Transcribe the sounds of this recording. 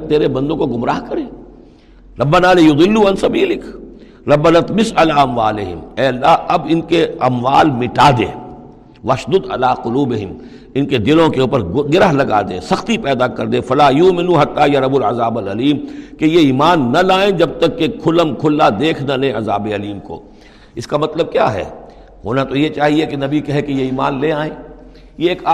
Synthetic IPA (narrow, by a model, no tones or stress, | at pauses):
t̪eːɾebɐ̃nd̪õkoɡʊmɾaːɦkɐɾeː | ɾɐbːɐnaːlɪjʊd̪ˤɪlːuːɐnsɐbiːlɪk | ɾɐbːɐnɐt̪mɪsɐlaːɐmʋaːlɪɦɪ̰mɛːɐlːaːɦɐbɪnkeɐmʋaːlmɪʈaːd̪ḛː | ʋɐʃd̪ʊd̪ɐ̰laːqʊluːbɪɦɪm | ɪnked̪ɪlõkeuːpəɾɡɪɾəɦlɐɡa̰ːd̪ḛ̃ːsɐxt̪ipɛːd̪akɐɾd̪ẽːfɐlaːjʊːmɪnuːɦɐt̪ːajɐɾɐbʊlɐzaːbɐlɐliːmkejeiːmaːnːɐlaːẽd͡ʒɐb̚t̪ɐkːekʰʊləmkʰʊlːad̪eːkʰnalẽɐzaːbeɐliːmko̰ː | ɪskamɐt̪ləb̚kjaːɦɛ̰ː | ɦoːnat̪ojet͡ʃaːɦiekenɐbikɐɦẽkejeiːma̰ːnleaːẽː | jeeːka